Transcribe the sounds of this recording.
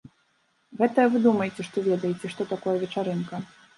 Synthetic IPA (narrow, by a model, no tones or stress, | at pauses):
ɣɛt̪ɐjɐvɨd̪umɐjet͡sʲɛʂt̪ɔvʲɛd̪ɐjet͡sʲɛʂt̪ɔt̪akɔjɐvʲɛt͡ʂaɾɨnkɐ